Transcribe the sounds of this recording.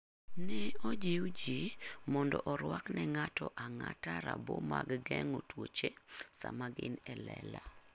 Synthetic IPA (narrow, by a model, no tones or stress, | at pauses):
nɛɔd͡ʒiwd͡ʒimɔndɔʔɔɾwaknɛŋatɔʔaŋataɾabɔmaɡɡɛŋotwot͡ʃesamaɡɪnɛlɛla